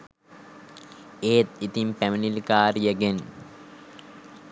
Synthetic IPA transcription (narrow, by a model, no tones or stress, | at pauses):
eːt̪it̪impæminilkaːɾijəɡen